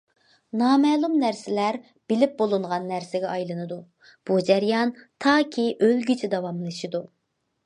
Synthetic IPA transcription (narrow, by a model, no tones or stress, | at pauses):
nɑːmɛːlˠumnæɾsɪlæɾ | b̥ɪlɪp̚bolˠɨɴʁɑnːæɾsɪɡʲɛɑjlˠɨnɨd̪u | b̥ud͡ʒæɾjɑnt̪ʰɑːkʲʰiʔølɡʲyt͡ʃʰɛd̪ɑwɑmlˠɨʃid̪u